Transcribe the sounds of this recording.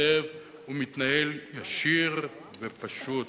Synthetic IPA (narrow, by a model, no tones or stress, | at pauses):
ev | umit̪naeljaʃiʁ | vepaʃut